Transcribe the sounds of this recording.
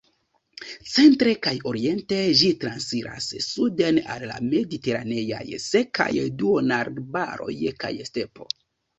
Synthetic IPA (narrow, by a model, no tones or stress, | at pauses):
t͡se̞ntɾe̞kajo̞ɾie̞nte̞ʒitɾansiɾʔa̰sːudena̰lːa̰me̞dite̞ɾane̞ja̰jseka̰jduonaɾbaɾo̞̰jka̰jste̞po̞̰